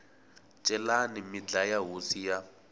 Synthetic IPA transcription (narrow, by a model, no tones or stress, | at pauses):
t͡ʃʼɛlanimid͡ɮajaɦusija